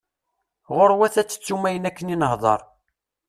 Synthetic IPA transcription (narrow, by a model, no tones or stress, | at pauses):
ʁʊɾwæθæt͡sːə̥t͡sːumæjənækːəninəhðˤɑ̰ɾˤ